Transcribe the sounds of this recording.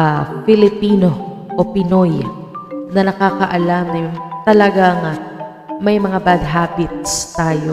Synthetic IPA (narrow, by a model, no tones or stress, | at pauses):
afɪlɪpiːno̞ | ʔopɪnoj | nɐnɐkaːkɐʔɐlamnɐjʊŋt̪ɐlɐɡaŋ | mɐjmɐŋabad̪̚ɦabɪt̪̚st̪aːjo